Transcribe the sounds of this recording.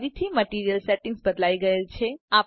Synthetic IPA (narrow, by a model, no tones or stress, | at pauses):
ɾit̪ʰiməʈiːɾijəlseʈɪ̃ŋɡsbəd̪laːiɡɐelt͡ʃʰeaː